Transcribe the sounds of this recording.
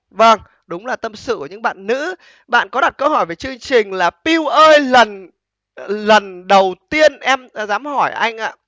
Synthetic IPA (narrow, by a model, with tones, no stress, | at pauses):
və˧ŋ | ɗʊ˨˦wŋ͡mlaː˨˩t̪ə˧msɨ̰˧˨ku˧˩˨ɲɨ̰˧˥ŋɓa̰ː˧˨nːɨ̰˧˥ | ɓa̰ː˧˨nkɔ˨˦ɗa˨˩t̚kə˧whɔ˧˩jve˨˩jt͡ɕɨ˧əŋt͡ɕï˨˩ŋ̟laː˨˩pi˧wʔəː˧jlə˨˩n | lə˨˩nɗə˨˩wt̪i˧ənʔɛ˧mzaː˨˦mhɔ˧˩jʔa˧jŋ̟ʔa̰ː˧˨